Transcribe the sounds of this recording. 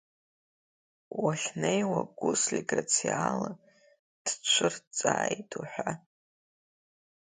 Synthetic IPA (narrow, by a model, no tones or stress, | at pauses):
waɬʲnejwaɡʷʊslʲiɡrat͡sʰiala | d̥t͡ʃʷʰɨrt͡sʼaːjtʰuħʷa